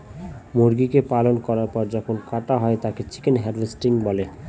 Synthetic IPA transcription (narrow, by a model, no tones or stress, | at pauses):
moɾɡikepalonkɔɾaɾpɔɾd͡ʑɔkʰonkaʈaɦɔet̪aket͡ɕi̥kenɦɛɾvesʈiŋbɔle